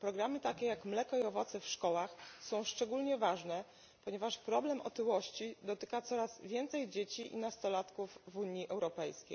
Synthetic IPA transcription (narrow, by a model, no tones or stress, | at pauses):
pɾɔɡɾamɘt̪akʲɛjakmlɛkɔiɔvɔt̪sɛfʂkɔwaxsɔ̃w̃ʂt͡ʂɛɡulɲɛvaʐnɛ | pɔɲɛvaʂpɾɔblɛmʔɔ̰t̪ɘwɔɕt͡ɕid̪ɔt̪ɘ̥kat̪sɔɾaz̥vʲjɛnt̪sɛjd͡ʑet͡ɕiʔḭnast̪ɔlat̪kuvvuɲiʔɛwɾɔpɛjskʲḛj